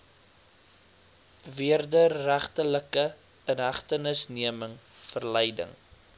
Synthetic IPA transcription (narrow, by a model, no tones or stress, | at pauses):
viərdərːæχtələkə | ənɦæχtənəsniəməŋfərlɛjdə̰ŋ